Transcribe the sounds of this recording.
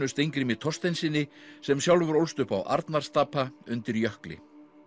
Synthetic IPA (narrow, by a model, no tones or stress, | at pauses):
ʏst̪ejŋkɾɪmɪt̪ʰɔst̪ejnsɪnːɪsɛmsjawlvʏɾowlst̪ʏhpa̰wʔa̰ɾt̪naɾ̥st̪aːpʰaʏnt̪ɪɾjœhklɪ̰